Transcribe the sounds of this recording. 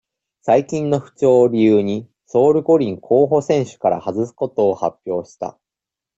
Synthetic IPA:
saikʲĩnːo̞ɸɯ̟̥t͡ɕo̞ːɾʲijɯːɲ̟i | so̞ːɾɯ̟ko̞ɾʲĩŋkʰo̞ːɦo̞sẽ̞ɰ̃ɕɨ̥kaɾa̰hazɨsɨ̥ko̞t̪o̞ːhapʲjo̞ːɕi̥t̪a̰

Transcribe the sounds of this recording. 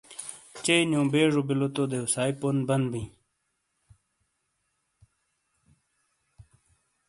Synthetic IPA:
t͡ɕejnjõːbeːʐobilot̪od̪eusaːiponbɐnbĩː

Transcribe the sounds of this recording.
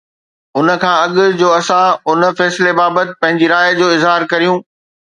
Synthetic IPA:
ʊnə̆kʰãːɐɠʊ̆d͡ʑoːɐsãʊn̆fɛːslebaːbət̪ɪ̥̆pɐ̃ɦɪ̃ɲd͡ʑiɾaːjd͡ʑoːɪzɦaːɾkɐɾijũː

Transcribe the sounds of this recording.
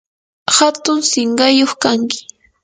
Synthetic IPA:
hat̪ʊŋsɪɴɢɑjoχkaŋkɪ̥

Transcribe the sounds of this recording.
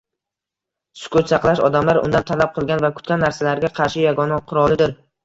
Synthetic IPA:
sʊ̥kʰʊt̪sɑqlˠaʃɒd̪amlaɾʊ̰nd̪ant̪ʰalap̚qʰɨlˠɡʲanvakʰʊt̪̚kʲanːaɾsalaɾɡʲaqʰɑɾʃɪjaɡɒnaqʰʊɾɒlˠɪd̪ɪɾ

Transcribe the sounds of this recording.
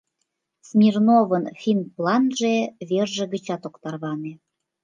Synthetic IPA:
smʲirnoβənfʲinplˠɑnʒeβerʒĕɣə̆t͡ɕɑt̪okt̪ɑrβɑne

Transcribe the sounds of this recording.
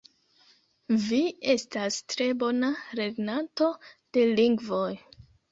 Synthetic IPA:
vie̞stastɾe̞bo̞naɾe̞ɡnanto̞d̥e̞liŋɡvo̞j

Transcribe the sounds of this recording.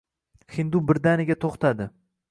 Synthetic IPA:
hɪnd̪ubɪɾd̪anɪɡʲat̪ʰoχt̪ʰad̪ɪ

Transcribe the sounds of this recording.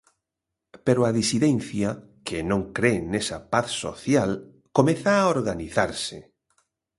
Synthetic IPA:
peɾoaðisiðɛnθja | kenõŋkɾenesapaθso̰θjal | komeθaoɾɣaniθaɾsɪ̰

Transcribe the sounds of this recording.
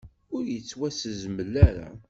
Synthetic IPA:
ʊɾjət͡sːwæsəzməlːæɾa̰

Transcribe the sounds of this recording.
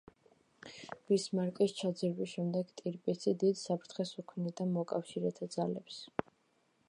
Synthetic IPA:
b̥ismaɾkʼist͡ʃʰad̪ziɾbisʃɛmd̪ɛɡt̪ʼiɾpʼisʰid̪id̪sapʰɾt̪ʰχɛsukʰnid̪anmɔkʼafʃiɾɛt̪ʰad̪zalɛps

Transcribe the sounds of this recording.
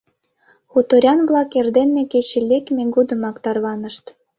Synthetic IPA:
xut̪oɾʲɑnβlˠɑkerd̪enːĕkeɕĕlʲːekmʲeɡud̪ɤ̆mɑkt̪ɑrβɑnə̆ʃt̪

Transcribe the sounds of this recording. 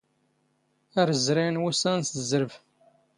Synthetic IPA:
æɾəzɾinwusænsəzəɾəv

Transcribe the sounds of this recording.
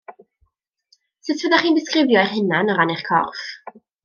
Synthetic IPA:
sɨtʰvədaχiːndɪskrɪvjɔɛχhɪnanɔɾanɛχkʰɔ̰rf

